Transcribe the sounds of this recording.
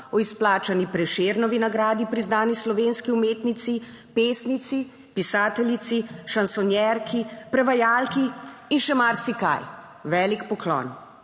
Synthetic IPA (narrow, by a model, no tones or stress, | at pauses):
ɔisplaːt͡ʃanipɾɛʃeːɾnɔʋinaɡɾaːd̪ipɾiznaːnislɔʋeːnskiumeːt̪nit̪si | peːsnit̪si | pisaːt̪ɛlit̪siʃansɔnjɛɾkʰipɾɛʋajaːlkiːnʃɛmaɾsika̰j | ʋɛːlikpɔklɔ̰n